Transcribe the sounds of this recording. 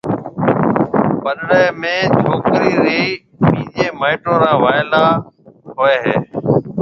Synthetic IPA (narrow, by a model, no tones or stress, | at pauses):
pəɗɽeːmẽːt͡ʃʰoːkɾiːɾiː | mĩːd͡ʒeːmaːɪʈõːɾãːʋaːɪlaːɦoːeːɦḛː